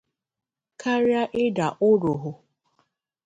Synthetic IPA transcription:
kʰa˦ɾja˦ʔɪ˦da˨ʔʊ˦ɾʊ˨ɦʊ˨

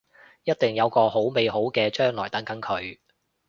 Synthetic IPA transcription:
jɐ˥t̚t̪ɪ˨ŋjɐ˨˧wkɔː˧ho˨˥wme˨jɦo˨˥wkɛː˧t͡ʃœː˥ŋlɔː˨˩jt̪ɐ˨˥nkɐ˨˥nkʰɵ˨˧ɥ

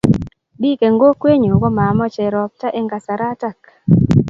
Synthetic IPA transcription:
bi˦ke˨ŋɡo˦kwe˦ɲo˨ɡɔ˦ma˨mɔ˦t͡ʃɛ˨ɾɔ˨p̚ta˦ʔɪ˦ŋɡa˨sa˨ɾa˦ta˦˨k

